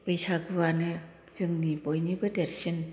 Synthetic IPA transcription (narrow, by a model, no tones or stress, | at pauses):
pɯjsʰaɡɯwanɯ | zɯŋnibɔjnibɯdeɾsin